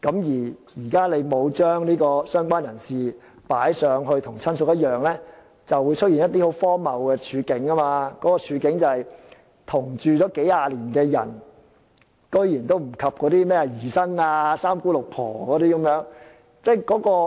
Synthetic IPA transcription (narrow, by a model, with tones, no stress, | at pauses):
kɐ˨˥mjiː˨˩jiː˨˩kaː˥le˨˧jmo˨˧wt͡ʃœː˥ŋniː˥kɔː˧sœː˥ŋkʷwaː˥njɐ˨˩nsiː˨ | paː˨˥jsœː˨˧˥ŋɦɵ˧ɥt̪ʰʊ˨˩ŋt͡sʰɐ˥nsʊ˨˧k̚jɐ˥t̚jœː˨ŋlɛː˥ | t͡sɐ˨wːuː˨˧jt͡ʃʰɵ˥t̚jiː˨˩njɐ˥t̪̬̚iː˥ho˨˥wfɔː˥mɐ˨wkɛː˧t͡ʃʰyː˨˧kɪ˨˥ŋːɐ˥maː˧kɔː˨˥kɔː˧t͡ʃʰyː˨˧kɪ˨˥ŋt͡sɐ˨˧hɐ˨j | t̪ʰʊ˨˩ŋt͡ʃyː˨˧t͡sɔː˨˥ke˨˥jaː˧liː˨˩nkɛː˧jɐ̰˨˩n | kɵ˥ɥjiː˨˩nt̪o˥wm̩˨˩kʰɐ˨p̚kɔː˨˥t̪iː˥mɛː˥ɐ˨jiː˨˩sɐ˥ŋaː˧saː˥mkuː˥lʊ˨k̚pʰɔ̰ː˨˩kɔː˨˦t̪iː˥kɐ˨˧˦mjœː˨˧˥ŋ | t͡sɛː˥kɔː˨˥kɔː˧